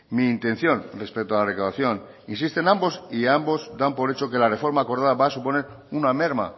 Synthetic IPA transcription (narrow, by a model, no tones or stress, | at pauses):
miːnt̪ẽ̞n̟θjo̞nre̞spek̚t̪oalaðe̞kawðaθjo̞n | insist̪e̞nãmbo̞siambo̞zd̪ampo̞ɾe̞t͡ʃoke̞lare̞fo̞ɾmaːko̞ɾðaðaβasupone̞ɾ | uname̞ɾma̰